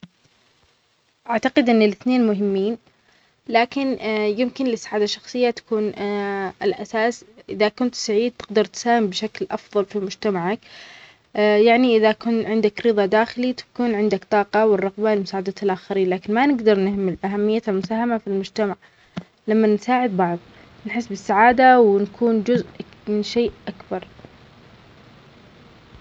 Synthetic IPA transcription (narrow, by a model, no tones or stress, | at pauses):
ʔaʕt̪aqɪd̪ʔɪnːɪlɪθneːnmʊɦɪmːiːn | laːkɪnjɪmkɪnlɪsːaʕaːd̪aʃːɑxsˤɨjːat̪ḁkuːnʔɪlʔasaːsʔɪðakʊnt̪saʕiːd̪̚t̪ɪɡd̪ɑɾˤt̪saːhɪmbʃaklʔɑfðˤɑlfimʊd͡ʒt̪amaʕak | jaʕniʔɪðakʊnʕɪnd̪akɾɨðˤɑd̪aːxɪlit̪ḁkuːnʕɪnd̪akt̪ˤɑːqɑwɪrˤːɑɣbalmʊsaːʕad̪aːt̪alʔaxaɾiːnlaːkɪnmanɪɡd̪ɑɾˤnɪhmɪlʔaɦamːɪjːaalmʊsaːhamafilmʊd͡ʒt̪amaʕ | lamːansaːʕɪd̪̚bɑʕðˤ | nħɪsːbɪsːaʕaːd̪awɪnkʰuːnd͡ʒʊzʔmɪnʃeːʔʔakbɑɾˤ